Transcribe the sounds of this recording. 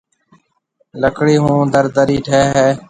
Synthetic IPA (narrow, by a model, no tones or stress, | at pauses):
ləkʰɽiːɦũːd̪əɾd̪əɾiːʈʰeːɦeː